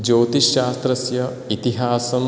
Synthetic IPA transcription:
d͡ʒoːt̪iʃaːst̪ɾɐsjɐ | it̪iɦaːsɐm

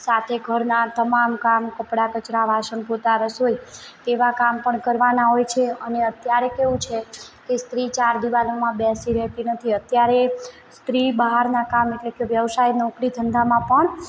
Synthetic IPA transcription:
sat̪ʰeɡʱəɾnat̪əmamkamkəpɽakət͡ʃɾaʋʱaʃənpot̪aɾəsojt̪eʋakampəɳkəɾʋanaɦojt͡ʃʰeəneət̪jaɾekeʋũt͡ʃʰekest̪ɾit͡ʃaɾd̪iʋalomãbɛsiɾɛɦt̪inət̪ʰiət̪jaɾe | st̪ɾibəɦaɾnakameʈlekeʋjəʋsajnəukɽid̪ʰʱənd̪ʱamãpəɳ

